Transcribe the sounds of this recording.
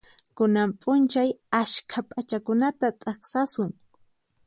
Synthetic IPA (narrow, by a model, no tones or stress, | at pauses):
kʊnampʼʊnt͡ʃajaʃkʰapʼat͡ʃakʊnat̪at̪ʼaɑχsasʊŋ